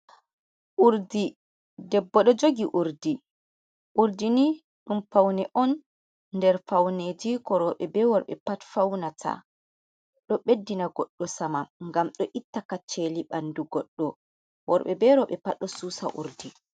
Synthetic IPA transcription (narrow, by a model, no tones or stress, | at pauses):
ʔuɾdi | dɛbːɔɗɔd͡ʒoɡiʔuɾdi | ʔuɾdini | ɗumfawnɛʔɔn | ndɛɾfawned͡ʒikɔɾɔɓɛbɛwɔɾɓɛ̰patfawnatʰa̰ | ɗɔɓedːinaɡɔɗːɔsamaŋɡamɗɔʔitːakat͡ʃːeliɓanduɡɔɗːɔ | wɔɾɓɛbɛɾɔɓɛpaɗːɔsuːsa̰ʔṵɾdi